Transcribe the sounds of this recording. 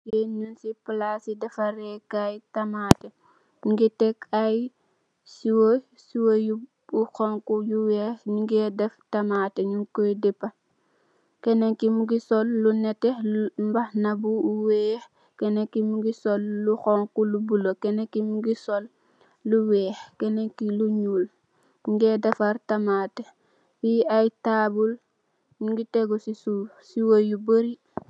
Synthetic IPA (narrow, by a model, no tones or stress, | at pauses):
kɛɲunsipəlasidɛfɐɾɛkajtɐmaːtɛ | ɲuŋɡitɛkaj | siwo | siwoju | buxɔŋkujuwɛːɲuŋɡɛdɛftɐmaːtɛɲuŋkɔjdɛpːɐ | kɛneŋkimuɡisɔlːunɛtːɛmbɐxnabuuwɛːx | kenekimuɡisolːuxoŋkulubulokenekimuɡisolː | uwɛːxkeneŋkiluɲuːl | ɲuŋɡeːdefaɾtamate | wiajtaːbul | ɲuŋɡiteɡusisu | siwojubəɾi